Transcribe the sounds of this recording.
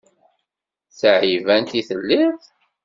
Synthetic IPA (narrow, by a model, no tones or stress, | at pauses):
sʕivænt̪iθəlːiθ